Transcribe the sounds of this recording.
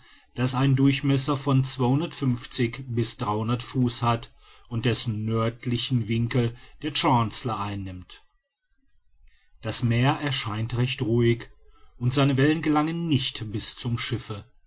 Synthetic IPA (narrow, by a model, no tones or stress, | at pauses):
d̥asaɪndʊɐçmɛsɐfɔnt͡sv̥aɪhʊndɐtfʏnft͡sɪçbɪsd̥ʁaɪhʊndɐtfuːshat | ʊnt̚d̥ɛsn̩ːœɐtlɪçn̩vɪŋkl̩d̥eːɐt͡ʃant͡slɐʔaɪnːɪmt | d̥asmeːɐʔɛɐʃaɪntʁɛçtʁuːɪçʔʊntz̥aɪnəvɛlənɡəlaŋənːɪçtb̥ɪst͡sʊmʃɪfə